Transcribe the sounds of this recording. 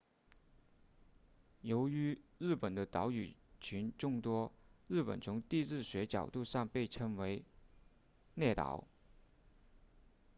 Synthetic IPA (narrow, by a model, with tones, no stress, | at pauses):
jo˧˥ʊy˧˥ɻɻ̩˥˩pə˨˩nd̪ə˦t̪ɑ˧˥ʊy˨˩t͡ɕʰy˧˥nʈ͡ʂʊ˥˧ŋt̪wɔ˥ɻɻ̩˥˩pə̰˨˩nt͡sʰʊ˧˥ŋt̪i˥˧ʈ͡ʂɻ̩˥˩ɕɥɛ˧˥t͡ɕjɑ˨˩ʊt̪u˥˧ʂɑ˥˧ŋpe˥˩ɪʈ͡ʂʰɤ˧˥ŋwe˧˥ɪ | nɛ˥˩t̪ɑ̰˨˩˥ʊ